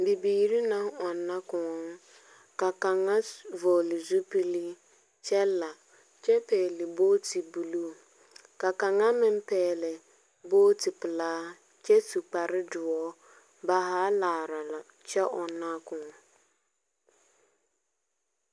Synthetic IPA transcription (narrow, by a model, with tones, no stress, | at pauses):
bi˨biː˨ɾi˦na˦ɔ˨nːa˦kʊ̃˨ɔ˨ŋ˦ | ka˨ka˨ŋːa˦vɔː˨lɪ˨zu˦pi˦li˦ | t͡ʃɛ˦la˨ | t͡ʃɛ˦pɛː˨lɪ˨boː˦ti˨bu˨lu˦˨ | ka˨ka˨ŋa˦mɪ˦m˦pɛː˨lɪ˨ | boː˦ti˨pɪ˨laː˦ | t͡ʃɛ˦su˨k͡pa˨ɾɪ˦dʊ˨ɔ˦ | ba˨ɦaː˦laː˨ɾa˨la˨ | t͡ʃɛ˦ʔɔ˨nːa˦kʊ̃˨